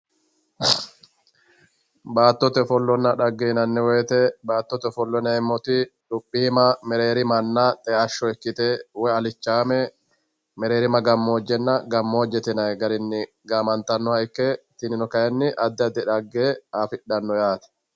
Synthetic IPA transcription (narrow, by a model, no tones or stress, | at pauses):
baːt̪ːɔt̪ɛfɔlːɔnːɐᶑɐɡːenɐnːɪweːt̪ɛbaːt̪ːɔt̪ɛfɔlːɔnɐɛmːɔt̪ɪᶑʊpːɪhɪmɐmɛɾe̞ːɾɪmɐnːat̪ʼɛːɐʃːɔɛkːɪt̪ɛːwɛɐlɪt͡ʃːaːmɛ | mɛɾeːɾɪmɐɡɐmːo̞ːd͡ʒːɛnːɐɡɐmːo̞ːd͡ʒːɛt̪ɪnɐjɡɐɾɪnːɪ | ɡamɐnt̪ɐnːɔhɐjkːɛt̪ɪnɪnɔkɐjɛnːɪʔɐd̪ːɐd̪ɛᶑɐɡːeːafɪᶑɐnːɔjaːt̪ɛ̥